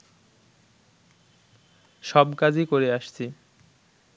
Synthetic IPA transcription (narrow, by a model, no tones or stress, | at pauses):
ʃɔbkad͡ʑʱikoɾeaʃt͡ɕʰi